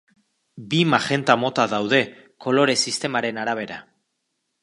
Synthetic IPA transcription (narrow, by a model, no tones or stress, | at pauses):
bimaxe̞nt̪amo̞t̪aðawðe̞ | ko̞lo̞ɾe̞sist̪e̞maɾe̞naɾaβ̞e̞ɾa̰